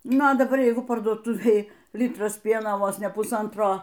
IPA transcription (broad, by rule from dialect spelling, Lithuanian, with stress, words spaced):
ˈnʊ ɐ dɐˈbɐr ˈjɛɪɡʊ pɐrduɔˈtʊʋʲeːj ˈlʲɪtrɐs ˈpʲiɛnoː ˈʋoːs nʲɛ pʊˈsɐntroː